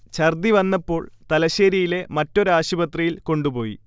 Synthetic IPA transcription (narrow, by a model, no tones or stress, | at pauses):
t͡ɕɐrd̪iʋɐnːɐpːo̞ːɭt̪ɐlɐɕeːɾijile̞mɐtːo̞ɾaːɕubɐt̪rijilko̞ɳɖupo̞ːjḭ